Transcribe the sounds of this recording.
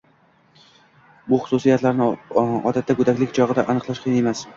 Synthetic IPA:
bʊχʊ̥sʊsijat̪laɾnɪɒ̰d̪at̪ːakʊd̪akʲlɪkʲt͡ʃʰɒʁɨd̪aʔanɨqlˠaʃqʰɨjnaemas

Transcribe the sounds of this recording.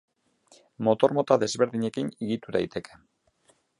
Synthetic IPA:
mo̞t̪o̞ɾmo̞t̪aðe̞zβe̞ɾðiɲe̞kiniɣit̪uðajt̪e̞ke̞̥

